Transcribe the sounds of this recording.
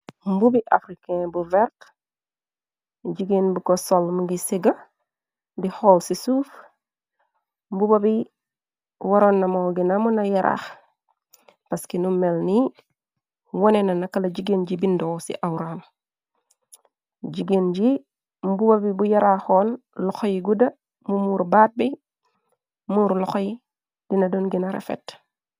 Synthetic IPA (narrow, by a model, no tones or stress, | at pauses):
mbubiʔa̰fɾikẽbuveɾt | ɟiɡeːnbukosolmuŋɡisiɡa | dihoːlsisuf | mbubabi | waɾonːamoɡinamunajaɾʔa̰x | paskenumːelni | wonenanakalaɟiɡenɟibindowsḭʔawɾam | ɟiɡenɟi | mbubabibujaɾaxoːn | lɔxojiɡuda | mumuːɾbaːt̚bi | muːɾlɔxoji | d̥inadonɡinaɾḛfḛt